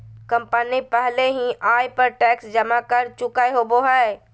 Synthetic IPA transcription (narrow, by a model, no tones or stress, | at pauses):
kəmpənipɛɦleɦĩʔaːjpəɾʈɛːksd͡ʒɐmakəɾt͡ʃʊkaeɦoboɦɛ